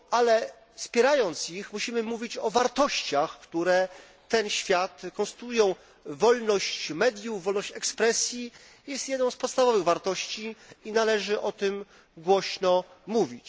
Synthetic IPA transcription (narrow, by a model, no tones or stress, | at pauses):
ʔalɛ | fspʲjɛɾajɔnt̪sixmuɕimɘmuvʲit͡ɕɔvaɾt̪ɔɕt͡ɕaxkt̪uɾɛ | t̪ɛnɕfʲjat̪kɔ̃ñst̪ujɔ̃w̃ | vɔlnɔɕt͡ɕmɛd̪ʲjuvɔlnɔɕt͡ɕɛkspɾɛsʲji | jɛst̪jɛd̪nɔ̃w̃spɔt̪st̪avɔvɘɣvaɾt̪ɔɕt͡ɕiinalɛʐɘʔɔt̪ɘm | ɡwɔɕnɔmuvʲit͡ɕ